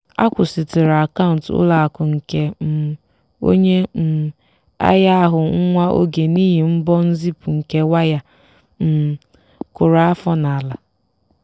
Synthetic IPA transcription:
a̰˦kʷʊ˨sɪ˨tɪ˨ɾa˨ka˦ʊ˨ntʊ̰˦la˨a˨kʊ˨ŋ̩˨ke˨m̩˨ | o̰˦ɲe˦m̩˨ | a̰˦ja˦a˦ɦʊ˨ŋ̩˦ŋʷa˦ʔo̰˦ɡe˨ni˦ɦi˨m̩˦bɔ˦n̩˦zi˦pʊ˨ŋ̩˨ke˨wa˦ja˦ | m̩˨ | kʊ˨ɾa˨a˦fɔ˦na˨a˨la˨

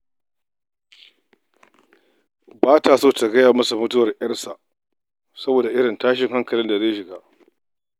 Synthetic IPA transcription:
baː˦ta˨soː˦ta˨ɡɐ˦jaː˨mɐ˦su˨mʊ˦tʊ˦wɐ˨rjɐ˦rsa˨ʔ | sɐ˦boː˨da˨ʔɪ˦ɽɪ˨ntaː˦ʃ̬ɪ˨ŋɦa˦ŋkɐ˨lɪ˦nda˨zeː˦jʃɪ˨ɡaː˦ʔ

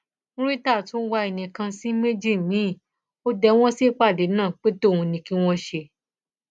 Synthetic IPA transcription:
ɾi˦ta˦˨tũ˨˦wa˧e˨nĩ˨kã˧si˦me˦d͡ʒi˦˨mĩ˨˦˨ | o˦dɛ˧w̃ɔ̃˦si˦k͡pa˦˨de˨˦nãː˦˨k͡pe˦to˦˨ũ˧nĩ˧ki˦w̃ɔ̃˦ʃe˧

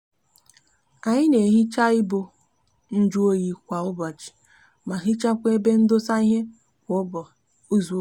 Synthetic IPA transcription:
a˨ɲɪ˦ne˨ɦi˦t͡ʃa˦ɪ˦bo˨ | n̩˦d͡ʒu˦o˦ji˨kʷa˨ʊ˦bɔ˨t͡ʃi̥˨ | ma˨ɦi˦t͡ʃa˦kʷe˦be˦n̩˦do˦sa˦i˦ɦe˦ | kʷ | o˦zu˨o˦

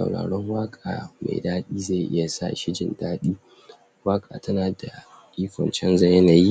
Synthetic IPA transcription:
sa̰˨wɽa̰ː˨ɽɔ˦ŋwaː˦kʼaː˨ma̰˨jdaː˦ɗiː˦za˦˨jʔɪ̰˦ja˨sa̰˦˨ʃɪ˦d͡ʒɪ˨ndaː˦ɗiː˦ | waː˦kʼaː˨tɐ˦naː˨da˨ | ʔʲʼiː˦kʷɔ̰˨nt͡ʃɛ˦nza˦jɐ˦na˨ji˦

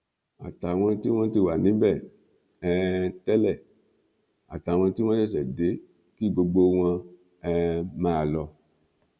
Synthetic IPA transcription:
a̰˨ta˨w̃ɔ̃˧ti˦w̃ɔ̃˦ti˧wa˨nĩ˨˦bɛ˦˨ | ɛ˧tɛ˦lɛ˦˨ | a̰˨ta˨˦˨w̃ɔ̃˧ti˦w̃ɔ̃˦ɛ˦˨s̬ɛ˨de˨˦ | ki˦˨ɡ͡bo˧ɡ͡bo˧w̃ɔ̃˧ | ɛ˧mãː˦˧lɔ˧

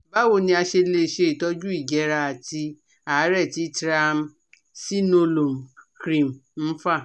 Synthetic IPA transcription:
ba˦wo˦˨nĩ˧a˧ʃe˧le˧˨ʃe˧i˨tɔ˧˦d͡ʒu˦i˦˨d͡ʒɛ˨˦ɾa˧a˨ti˧ | a˨˦ɾɛ˦˨ti˧˦tɾa˧m̩˦ | si˦no˧lo˨m̩˨kɾĩ˨m˨n̩˦fa˦˨

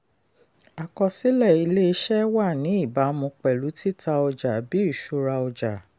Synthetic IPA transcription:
a˨kɔ˧si˦lɛ˦˨i˧le˦˧˦ʃɛ˦wa˦˨nĩ˨˦i˦˨ba˨˦mũ˧k͡pɛ˨lu˨˦ti˦ta˧ɔ˧d͡ʒa˨bi˨˦i˦˨ʃu˨˧ɾa˧ɔ˧d͡ʒa˨

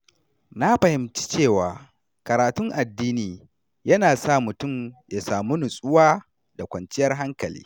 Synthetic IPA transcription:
na˦ɸɐ˨hɪ˨mt͡ʃi̥˦t͡ʃeː˦˨waː˨ | kɐ˨ɾaː˨tʊ˦ŋʔa˨dːiː˦niː˨ | jɐ˦naː˨sa˦˨mʊ˨tʊ˦˨mja˨saː˨mu˦nʊ˨sʼʊ˦waː˦ | da˨kʷɐ˨nt͡ʃɪ˦jɐ˦rɦa˦ŋkɐ˨lḭː˦

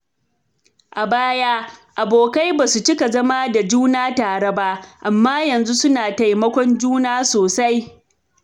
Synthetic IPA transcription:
ʔa˨baː˦jaː˦ʔa˨boː˨ka˦jbaː˨su˨t͡ʃɪ˦ka˨zɐ˦ma˦da˨d͡ʒuː˦naː˦taː˨ɽɐ˦baː˦ʔa˨mːaː˦jɐ˨nzu˦sʊ˦naː˨ta˨jmɐ˦kʷɔ˦nd͡ʒuː˦naː˦soː˨sa˦j

